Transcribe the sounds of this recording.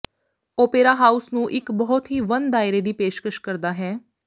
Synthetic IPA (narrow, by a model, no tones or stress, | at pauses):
oːpeːɾaːɦaːusnũːʔɪkbɔɦʊt̪ɦiːʋənd̪aːɪɾeːd̪iːpeːʃkəʃkəɾd̪aːɦɛː